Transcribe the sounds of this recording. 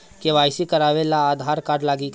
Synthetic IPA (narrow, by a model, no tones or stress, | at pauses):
keʋaːjsikəɾaːʋelaːd̪ʱaːɾkaːɖlaːɡik